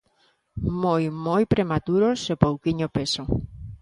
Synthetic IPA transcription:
mojmojpɾemat̪uɾosepowkiɲopeso

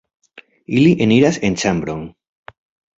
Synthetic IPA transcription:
iliʔeniɾase̞nt͡ʃambɾoŋ

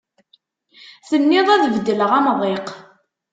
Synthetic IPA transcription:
θənːɪðˤæðvd̪ːələʁæmðˤeq

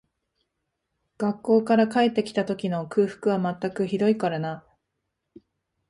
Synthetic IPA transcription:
ɡ̥akːo̞ːkaɾakae̞t̪ːe̞kʲi̥t̪at̪o̞kʲino̞kɯ̟ːɸɯ̥kɯ̟βamat̪ːakɯ̟çid̪o̞ikaɾana

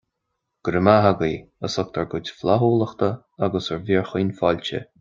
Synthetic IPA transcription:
ɡ̥ɾəmaɦaɡiː | əsɔk̚t̪ʰəɹɡʊtʲflaɦuːləxt̪ə | aɡəsəɹviːɹxiːnfɔlʲt͡ʃə̰

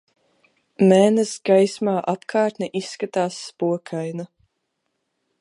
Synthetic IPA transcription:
mɛːnɨsɡajsmaːʔapkʰaːɾt̪ʲnʲɛʔisːkat̪aːsːpuɔkʰajna

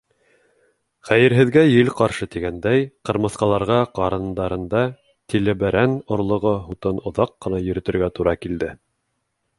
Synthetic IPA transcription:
χæjɘ̆ɾɦɘ̆ðɡæjɘlqɑɾʃɤt̪iɡænd̪æjqɤ̆ɾmɤ̆θqɑlˠɑɾʁɑqɑɾɤ̆nd̪ɑɾɤ̆nd̪ɑ | t̪ilɘ̆bæɾænŏɾlˠŏʁɤɦut̪ɤnŏðɑqːɤ̆nɑjɵ̆ɾɘ̆t̪ɘ̆ɾɡæt̪uɾɑkild̪ɘ

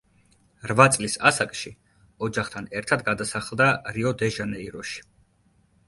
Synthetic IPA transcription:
ɾvat̪sʼlisasakʼʃi | ɔd͡ʒaχt̪ʰanɛɾt̪ʰad̪ɡad̪asaχlˠd̪aɾiɔd̪ɛʒanɛiɾɔʃi̥

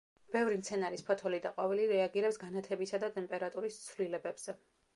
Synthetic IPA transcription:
b̥ɛvɾimt̪sʰɛnaɾispʰɔt̪ʰɔlid̪aqʼwaviliɾɛaɡiɾɛpsɡanat̪ʰɛbisad̪at̪ʼɛmpʼɛɾat̪ʼuɾist̪sʰvlilɛbɛbz̥ɛ

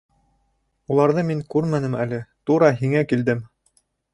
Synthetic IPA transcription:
ulˠɑɾðɤmiŋkʉɾmænɘmælɘt̪uɾɑɦiŋækild̪ɘm

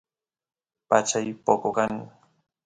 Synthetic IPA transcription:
pat͡ʃajpokokaŋ

